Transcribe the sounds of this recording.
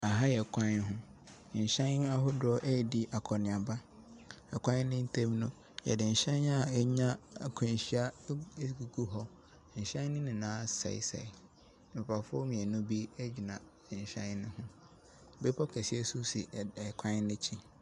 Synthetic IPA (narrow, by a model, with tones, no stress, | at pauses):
a˨ɦa˦jɛ˨kʷʰã˦ɦʊ̃˦˨ | ɕã˦a˦ɦʊ˦dɔ˦ʔɛ˦˨di˦ʔa˨kʰɔ˨nɪ̃˨a˨ba˦ | ɛ˨kʰʷã˦n˦nɪ̃˦n̩˦tʰẽ˦m˦nʊ̃˦ | jɛ̰˨dɪ̃˨n̩˨ɕɛ̃˦a˦ɛ˦ɲã˦˨kʰɔ̃˨n˨ɕi˦a˦˨ɡu˨kʰu˦ɦɔ˦˨ | ɕã˦nɪ̃˦nɪ̃˨nãː˨˦sa̰˨ḭ˨sa̰˨i˨ | mɪ̃˨pʰa˨fʊ˦ɔ˦mĩ˨ɛ˨nʊ̃˦bi˦ɛ˦d͡ʑi˨nã˨ | ɕã̰˦nʊ̃˦hʊ̃˦˨ | be˦pʰɔ˦kʰɛ˨si˦ɛ˦su˦sḭ˨kʷʰã˦n˦nɪ̃˦t͡ɕʰi˦